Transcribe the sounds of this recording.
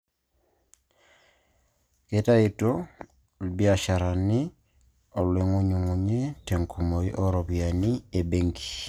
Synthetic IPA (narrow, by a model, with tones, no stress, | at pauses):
eta˦ito | lbjaʃa˨ɾa˨ni˦ | o˨le˨ŋo˦ɲu˨ŋu˨ɲe˦te˨ŋkʰu˨mo˨iʔo˦ɾo˨βianie˨be˦ŋki̥